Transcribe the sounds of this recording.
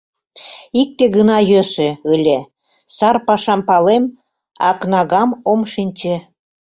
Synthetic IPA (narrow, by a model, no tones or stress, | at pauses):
ik̚t̪eɣənɑjøsĕəlʲe | sɑrpɑʃɑmpɑlem | ɑ̰knɑɣɑmomʃinʲt͡ɕĕ